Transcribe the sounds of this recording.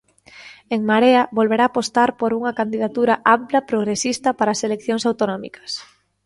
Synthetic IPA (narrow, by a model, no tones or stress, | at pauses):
eŋmaɾeɐβolβeɾaːpost̪aɾpoɾuŋɐkand̪iðat̪uɾaʔamplapɾoɣ̞ɾesist̪ɐpaɾaːselekθjoŋsawt̪onɔmḭkɐ̥s